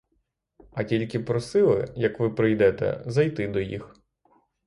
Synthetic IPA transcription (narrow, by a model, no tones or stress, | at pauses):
ɐtʲilʲkɪpɾɔsɪlˠɪ̰jɐkʋɪpɾɪjd̪ɛt̪ɛ̰zɐjt̪ɪd̪ɔjḭx